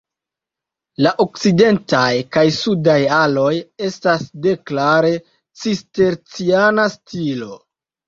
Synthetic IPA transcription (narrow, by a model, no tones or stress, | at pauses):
laʔok̚t͡side̞ntajkajsudajalo̞je̞stasde̞klaɾe̞ | t͡sisteɾt͡sianastilo̞